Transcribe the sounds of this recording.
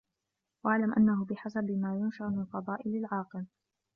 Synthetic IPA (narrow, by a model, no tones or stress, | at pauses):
waʕlamʔanːaɦʊbɪħasabmaːjʊnʃaʔmɪnalfɑd̪ˤɑːʔɪlalʕɑːqɨl